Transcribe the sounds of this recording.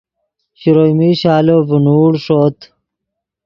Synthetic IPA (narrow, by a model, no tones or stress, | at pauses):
ɕiɾojmiɕaːlovunuːɽʂot̪